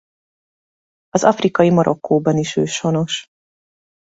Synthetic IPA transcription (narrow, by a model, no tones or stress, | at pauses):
ɒzɒfrikɒjimoɾʔokʰːoːbɒniʃøːʃo̞no̞ʃ